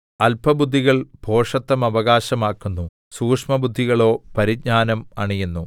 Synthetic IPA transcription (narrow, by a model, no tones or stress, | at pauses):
ɐlpɐbud̪ʱːiɣɐɭbʱo̞ːʂɐt̪ːɐmɐʋɐɣaːɕɐmaːkːunːu | suːkʂmɐbud̪ʱːiɣɐɭo̞ːpɐɾiɡ̚ɲaːnɐmɐ̰ɳijenːu